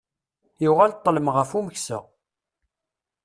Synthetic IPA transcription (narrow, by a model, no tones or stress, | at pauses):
juʁalt̪ˤːələmʁəfuməçsə̰ʁ